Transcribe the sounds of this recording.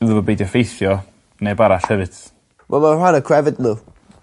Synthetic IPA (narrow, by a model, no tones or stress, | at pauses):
nðəvɔbejdjɔfejθjɔ | nebaɾaɬhɛvɨd̥ | wʔɛ̰lˠmaranəkʰɹ̥ɛvɪtmə